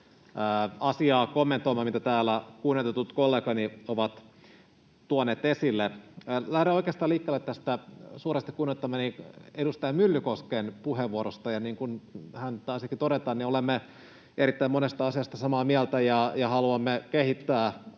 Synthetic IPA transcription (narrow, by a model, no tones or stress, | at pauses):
ɑsiɑːkomːent̪ˑoimɑːmit̪æt̪æːlːˑækunːet̪et̪ut̪kolːeːkɑnioʋɑt̪ | t̪uoneːt̪esilːelæhɾeokeːst̪ɑːliːkːeːlːet̪t̪ːæst̪æsurest̪i̥kunːet̪ːɑmːɑniedust̪ɑjɑmylːykoskenpuheʋʋuoɾost̪ɑjɑniːŋkunhænt̪ɑːsiɑkit̪oɾet̪ɑːnniolemːe | eɾit̪ːæimonest̪ɑɑsiɑst̪ɑsɑmɑːmiælt̪æjɑjɑhɑluɑmːekehit̪ːæː